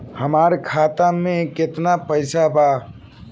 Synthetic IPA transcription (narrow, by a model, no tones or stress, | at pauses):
həmaɾkʰat̪ameket̪napəɪsaba